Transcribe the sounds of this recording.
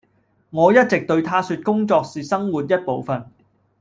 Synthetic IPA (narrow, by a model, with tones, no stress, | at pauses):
ŋɔː˨˧jɐ˥t̚t͡sɪ˨k̚t̪ɵ˧ɥt̪ʰaː˥syː˧t̚kʊ˥ŋt͡sɔː˧k̚siː˨sɐ˥ŋwuː˨t̚jɐ˥t̚po˨˧wfɐ˨n